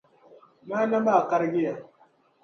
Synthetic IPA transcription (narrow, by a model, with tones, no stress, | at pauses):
maː˦na˦maː˦˨ka˦ɾɡʲɪ˦ja˨